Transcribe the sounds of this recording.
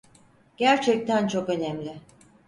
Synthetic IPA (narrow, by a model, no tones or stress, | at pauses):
ɟ̥æɾt͡ʃʰɛc̚t̪ʰænt͡ʃʰo̞kø̞nɛmlʲɪ